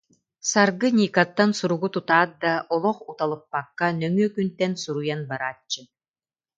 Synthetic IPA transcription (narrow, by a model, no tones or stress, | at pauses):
saɾɡɯnʲiːkat̪ːansuɾuɡut̪ut̪aːt̪̚d̪aʔɔlˠɔχut̪alˠɯpːakːanœŋyœkynt̪ɛnsuɾujanbaɾaːt͡ɕːɯ